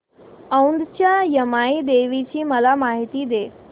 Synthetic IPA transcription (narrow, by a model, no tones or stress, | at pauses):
əwɳɖt͡ɕjajəmaid̪eʋit͡ɕiːməlamaɦit̪iːd̪e